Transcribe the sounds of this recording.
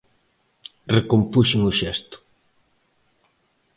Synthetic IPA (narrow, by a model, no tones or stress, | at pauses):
rekompuʃɪŋʊʃɛst̪ʊ̥